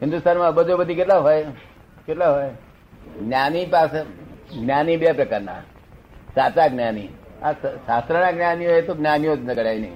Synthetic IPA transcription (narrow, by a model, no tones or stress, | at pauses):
ɦind̪ust̪ʰaːnmãbəd͡zobət̪ːiːket̪laɦoje | ket̪laɦoj | ɡnʲanipasɡnjaːnibjapɾɐkaɾna̰ | saːt͡saɡnjaːnḭːassast̪ɾəɳaɡnjaːniɦojet̪oɡnjaːniot̪nəɡəɽajnḛ